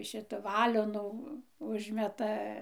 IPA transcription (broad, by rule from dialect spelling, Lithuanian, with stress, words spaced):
ˈʃʲɪtɐ ˈʋɑːlʲoːnuː ˈʊʒʲmʲɛtɐ